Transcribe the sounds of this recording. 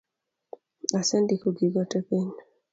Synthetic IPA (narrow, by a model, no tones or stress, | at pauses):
asɛndikoɡiɡɔtɛpeɲ